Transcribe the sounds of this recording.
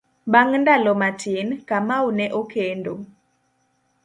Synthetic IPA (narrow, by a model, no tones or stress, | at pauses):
baŋndalɔmatinkamaunɛʔokʰendo